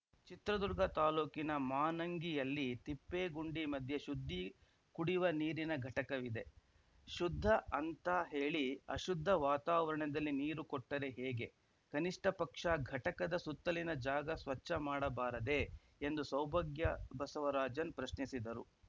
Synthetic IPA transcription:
t͡ʃit̪ɾɐd̪uɾɡɐt̪aːluːkinɐmaːnɐŋɡijɐlːit̪ipːeːɡuɳɖimɐd̪ʱjɐʃud̪ʱːi | kuɽiʋɐniːɾinɐɡʱɐʈɐkɐʋid̪e̞ | ʃud̪ʱːɐʔɐnt̪ɐɦe̞ːɭiɐ̰ʃud̪ʱːɐʋaːt̪aːʋɐɾɐɳɐd̪ɐlːiniːɾukɔʈːɐɾe̞ɦeːɡe̞ | kɐniʂʈʰɐpɐkʂɐɡʱɐʈɐkɐd̪ɐsut̪ːɐlinɐd͡ʒaːɡɐsʋɐt͡ʃːɐmaːɽɐbaːɾɐd̪e̞ | end̪usɐwbʱɐɡjɐbɐsɐʋɐɾaːd͡ʒɐnpɾɐʃnisid̪ɐɾṵ

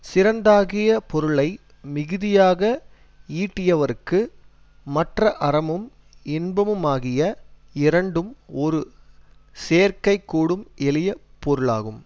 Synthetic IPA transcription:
sɪɾɐnd̪aːɣɪjɐpɔɾɯɭɐɪ | mɪɣɯðɪjaːɣɐ | iːʈːɪjɐʋɐɾkːɯ | mɐʈrɐʔɐɾɐmɯm | ɪnbɐmɯmaːɣɪjɐɪɾɐɳɖɯmɔɾɯ | seːɾkɐɪkːuːɽɯmɛlɪjɐ | pːɔɾɯɭa̰ːɣɯm

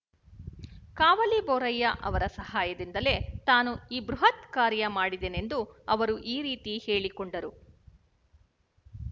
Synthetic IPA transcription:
kaːʋɐlibɔːɾɐjːɐʔɐ̰ʋɐɾɐsɐhaːjɐd̪ind̪ɐle̞t̪aːnuiːbɾuɦɐt̪kaːɾjɐmaːɽid̪ene̞nd̪uɐʋɐɾuʔiːɾiːt̪ihe̞ːɭikɔɳɖɐɾu

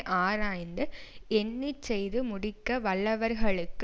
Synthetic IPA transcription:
ʔaːɾaːjnd̪ɯɛnːit͡ʃːɛjðɯmʊɽɪkːɐʋɐɭːɐʋɐɾɣɐɭɯkː

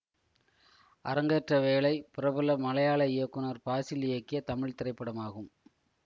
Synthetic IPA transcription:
ʔɐ̰ɾɐŋɡɐʈrɐʋeːɭɐɪpɪɾɐbɯlɐmɐlɐjaːɭɐɪjɐkːɯnɐɾpaːsɪlɪjɐkːɪjɐt̪ɐmɪɻt̪ɪɾɐɪpːɐɽɐmaːɣɯm

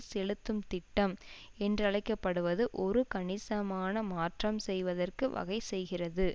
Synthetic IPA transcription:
sɛlɯt̪ːɯmt̪ɪʈːɐm | ɛndrɐlɐɪkːɐpːɐɽɯʋɐðɯʔɔɾɯkɐɳɪsɐmaːnɐmaːʈrɐmsɛjʋɐðɐrkɯʋɐ̰ɣɐɪsɛjɣɪrɐðɯ

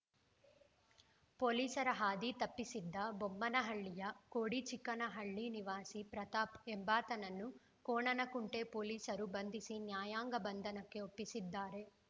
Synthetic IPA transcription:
poːliːsɐɾɐɦaːd̪it̪ɐpːisid̪ːɐbombɐnɐɦɐɭːijɐkoːɽit͡ʃikːɐnɐɦɐɭːiniʋaːsipɾɐt̪aːpembaːt̪ɐnɐnːu | koːɳɐnɐkuɳʈe̞poːliːsɐɾubɐnd̪ʱisinjaːjaːŋɡɐbɐnd̪ʱɐnɐkːe̞opːisid̪ːaːɾe̞

